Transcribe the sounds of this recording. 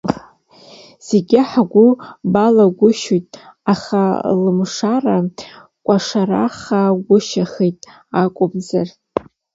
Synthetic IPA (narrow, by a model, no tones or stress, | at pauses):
z̥eɡʲɪħaɡʷʊbalaɡʷʊʃojtʼaχalɨmʂara | kʷʼaʂara̰χaɡʷʊʃaχejtʼ | akʷʼʊbzar